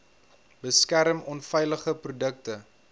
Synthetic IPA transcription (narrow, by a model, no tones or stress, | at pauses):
b̥əskæɾəmɔnfɛjləχəprudək̚tə